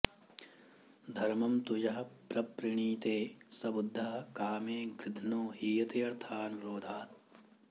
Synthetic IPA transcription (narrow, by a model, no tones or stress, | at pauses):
d̪ʱɐɾmɐmt̪ud͡ʒɐɦɐpɾɐpɾɪɳiːt̪eːsɐbud̪ʱːɐɦɐkaːmeːɡɾɪd̪ʱnoːɦiːjɐt̪eːɐɾt̪ʰaːnɾoːd̪ʱaːt̪̚